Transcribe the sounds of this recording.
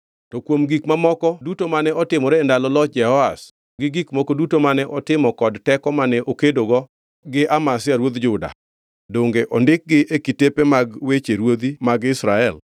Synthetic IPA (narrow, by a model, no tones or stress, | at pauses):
tɔkwomɡikmamɔkɔdutomanɛɔtɪmɔɾɛːndalɔlɔt̚d͡ʒɛhɔas | ɡɪɡikmɔkɔdutomanɛʔɔtɪmɔkɔdtɛkɔmanɛʔokedoɡɔ | ɡɪʔamasɪaɾwod̪d͡ʒʊda̰ | doŋɡeʔɔndɪk̚ɡɪʔekitepemaɡwet͡ʃeɾwod̪imaɡɪsɾaɛl